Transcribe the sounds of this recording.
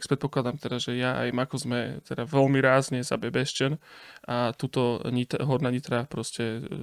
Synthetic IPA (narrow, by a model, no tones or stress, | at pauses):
kpɾɛt̪pɔklad̪amt̪ɛd̪aʒɛjaa̰jmakɔzmɛt̪ɛd̪aʋɛlmiɾaːzɲɛza̰bɛbɛʃt͡ʃɛnat̪uːt̪ɔɲit̪ɦɔɾnaɲit̪ɾapɾɔscɛ